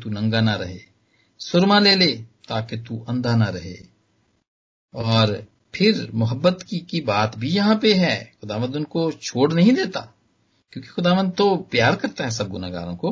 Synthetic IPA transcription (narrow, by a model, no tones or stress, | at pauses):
t̪unɐ̃ŋɡanaɾɐɦḛː | sʊɾmãleːleːt̪aːket̪uʔɐ̃nd̪anaɾɐɦḛː | ɔːɾ | pʰɪɾmʊɦəbːət̪kikibaːt̪bʱijɐɦãpeɦɛːxʊd̪aːʋə̃nd̪ʊnkot͡ʃʰoːɽnɐɦĩd̪eːt̪a̰ː | kjõːke̥xʊd̪aːʋə̃nd̪̚t̪opjaːɾkɐɾt̪aɦɛsɐb̚ɡʊnaɡa̰ːɾõkoː